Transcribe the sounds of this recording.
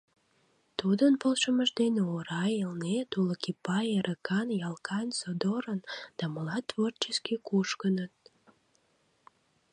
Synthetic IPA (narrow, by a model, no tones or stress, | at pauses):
t̪ud̪ənpolˠʃəməʒd̪eneoɾɑjelnet̪uləkipɑjeɾʔəkʰɑnjɑlˠkʰɑnsod̪oɾənd̪̥ɑməlɑt̪ːvort͡ɕeskikuʃkənət̪̚